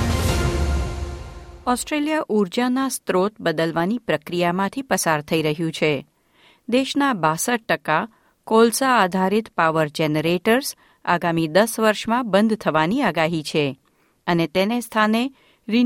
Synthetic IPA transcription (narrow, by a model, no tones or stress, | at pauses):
ɔsʈɾelijaʔuɾd͡ʒanast̪ɾot̪bəd̪əlʋanipɾəkɾijamãt̪ʰipəsaɾt̪ʰəiɾəɦjũt͡ʃʰe | d̪eʃnabasəʈ̚ːəka | kolsaːd̪ʱaɾit̪paʋəɾd͡ʒeneɾeʈəɾs | a̰ɡamid̪əsʋəɾʃmãbənd̪ʱt̪ʰəʋaniaɡaɦit͡ʃʰe | ənet̪enest̪ʰane | ɾi